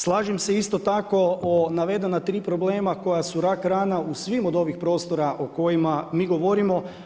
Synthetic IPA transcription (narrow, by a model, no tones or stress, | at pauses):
slˠaːʒimseist̪o̞t̪ako̞onaʋe̞d̪e̞nat̪ɾiːpɾo̞bleːmako̞jasuɾakɾaːnausʋimod̪o̞ʋixpɾo̞ːst̪o̞ɾaʔoko̞jimamiːɡo̞ʋoɾimo̞